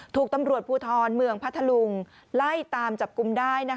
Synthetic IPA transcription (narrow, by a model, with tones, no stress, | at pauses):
t̪ʰuː˨˩k̚t̪a˧mɾu˨˩ət̪̚pʰuː˧t̪ʰɔː˧nmɯ˧əŋpʰa˦˥t̪ʰːa˧lu˧ŋ | la˥˩jt̪aː˧mt͡ɕa˨˩p̚ku˧mdaː˥˩jna˦˥